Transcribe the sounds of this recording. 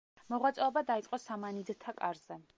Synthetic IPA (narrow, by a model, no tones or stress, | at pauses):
mɔʁwat̪sʼɔɔbad̪ait̪sʼqʼɔsamanid̪t̪ʰakʼaɾz̥ɛ